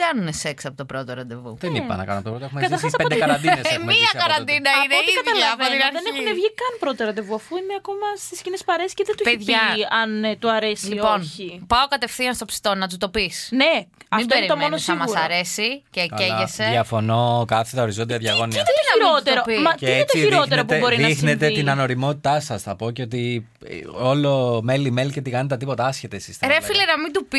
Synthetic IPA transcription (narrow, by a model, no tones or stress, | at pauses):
kɐnuneseksɐpot̪opɾot̪oɾɐnd̪e̞vṵðenipɐ̰nɐ̰kɐ̰unɐpt̪opɾot̪exumekɐt̪ɐɾxɐsɐpod̪ɐɐd̪insmiɐkɐɾɐnd̪inɐineoikɐðɐlɐvoiɐɾenenevʝikɐnpɾot̪oɾɐnd̪evuɐfuineɐko̞mɐst̪iscinespɐɾesi̥ceðent̪ueeeʝɐɐnt̪uɐɾesliio̞nçipɐokɐt̪efθiɐnst̪o̞psi̥t̪o̞nɐt̪̬ut̪o̞pisne | mɐitb̪oeɾiomonosɐmɐsɐɾe̞siceeʝeseiɐfo̞nokɐθet̪ɐo̞ɾizo̞nd̪iɐðʝɐɣoniɐenɐɾott̪oɾopimɐieet̪oiiɾot̪eɾopubo̞ɾinɐixnnet̪einɐno̞ɾimo̞t̪it̪ɐsɐsθɐpo̞ceot̪i | olomelimelicet̪ikɐnet̪ɐt̪ipo̞t̪ɐɐsçet̪esist̪ɐɾefilenɐmid̪upi